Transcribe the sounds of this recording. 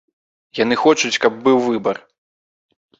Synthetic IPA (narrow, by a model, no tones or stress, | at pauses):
janɨxɔt͡ʂut͡sʲkɐb̚ːɨwvɨbɐr